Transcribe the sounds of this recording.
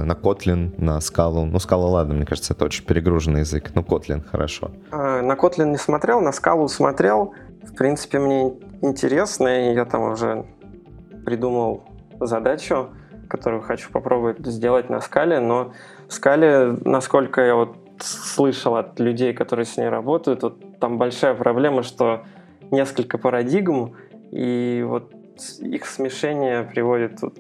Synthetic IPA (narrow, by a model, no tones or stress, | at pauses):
nɐko̞t̪lʲɪnːəskalˠʊnuskalˠəlˠad̪nəmnʲekaʐət̪səɛt̪əot͡ɕɪnʲpʲɪɾʲɪɡɾuʐənːɨjɪzɨknoko̞t̪lʲɪ̰nxəɾɐ̰ʂo̞̰ | anɐko̞t̪lʲɪnnʲɪsmɐt̪ɾʲe̞lˠnəskalˠʊsmɐt̪ɾʲe̞lˠ | fpɾʲint̪sɨ̥pʲɪmnʲeɪnʲtʲɪɾʲe̞snəijat̪amʊʐɛ̰ | pɾʲɪd̪uməlˠ | zɐd̪at͡ɕʊ | kɐt̪o̞ɾʊjʊxɐt͡ɕu̥pɐpɾʔo̞bʊʊt̚ʲzʲdʲelˠət̚ʲnɐ̰skalʲɪno̞ | fskalʲɪnɐsko̞lʲkəjavo̞t̪ | slˠɨʂəlˠɐt̪lʲʉdʲejkɐt̪o̞ɾɨjəsʲnʲejrɐbo̞t̪əjʊt̪vot̪ːambɐlʲʂajəpɾɐblʲe̞məʂt̪o̞ | nʲe̞skəlʲkəpəɾɐdʲiɡm | ḭvo̰t̪ | ixsmʲɪʂɛnʲɪjəpɾʲɪvo̞dʲɪt̪ut̪